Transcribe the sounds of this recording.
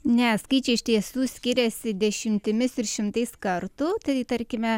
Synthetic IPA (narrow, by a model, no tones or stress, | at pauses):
nʲɛskɐɪt͡ʃʲɛɪʃt̪ʲiɛsuːsʲkʲɪɾʲɛsʲɪd̪ʲɛʃʲɪmʲt̪ʲɪmʲɪsɪɾʃʲɪmt̪ɐɪskɐrt̪ut̪ɐɪt̪ɐɾʲkʲɪmʲɛ